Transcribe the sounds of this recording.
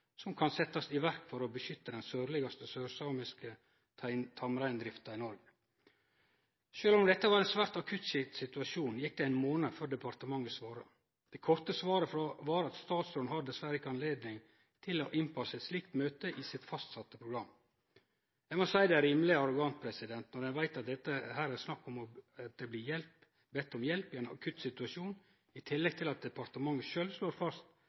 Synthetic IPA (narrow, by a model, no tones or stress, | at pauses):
sɔmkʰɑnsɛt̪ːɑsɪʋæɾkfɔɾɔbəʃʏt̪ːəd̪ɛnsøːɾlɪɡɑst̪əsøːɾsɑmɪskə | t̪ʰɑmɾæɪnd̪ɾɪft̪ɑɪnɔɾɡə | ʃøːlɔmd̪ɛt̪ːəʋɑɾɛnsʋæːɾt̪ɑkʰʉt̪ʃɛt̪sɪt̪ʉɑʃuːnjɪk̚d̪ɛæɪnmoːnəføɖɛpɑɾt̪əmɑŋːəsʋɑːɾɑ̰ | d̪̥ɛkʰɔɾt̪əsʋɑːɾəfɔʋɑːɾɑt̪st̪ɑːt̪soːnhɑd̪ːəsʋæɾəɪkɑnleːd̪nɪŋ | t̪ʰɪlɔʔɪnpʰɑsːəɛt̪slɪkt̪møːt̪əʔɪsɪt̪fɑst̪sɑt̪ːəpʰɾʊɡɾɑm | jæɪɡmɔsæɪd̪ɛæɾɾiːmlɪɑɾʊɡɑnt̪̚pʰɾɛsɪd̪ɛnt̪nɔɾɛnʋæɪt̪ɑt̪̚d̪ɛt̪ːəhæːɾæɾsnɑkːɔmɔt̪̚d̪ɛbliːjɛlp | bɛt̪ːɔmjɛlpɪɛɪnɑ̰kʰʉt̪sɪt̪ʉɑʂuːn | ɪt̪ʰɪlːɛɡ̚t̪ʰɪlɑt̪̚d̪ɛpɑɾt̪əmɑŋːəʃøːlʋsloːɾfɑst̪